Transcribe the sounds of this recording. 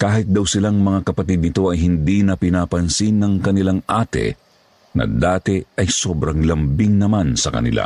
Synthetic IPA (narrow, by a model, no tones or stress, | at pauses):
kaːhɪt̪̚d̪ɐwsɪlaŋmɐŋakɐpɐt̪id̪nɪt̪o̞ɐjɦɪnd̪inɐpɪnaːpɐnsinːɐŋkɐnɪlaŋʔaːt̪ɛ̰ | nɐ̰d̪aːt̪ɛɐjso̞ːbɾɐŋlɐmbiŋnɐmansɐkɐ̰nɪ̰lʔa̰